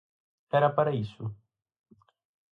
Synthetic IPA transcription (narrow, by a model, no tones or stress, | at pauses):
ɛɾɐpaɾɐisʊ